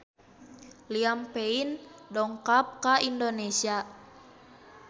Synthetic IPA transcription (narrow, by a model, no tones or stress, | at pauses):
liampeindɔŋkap̚kaindonesia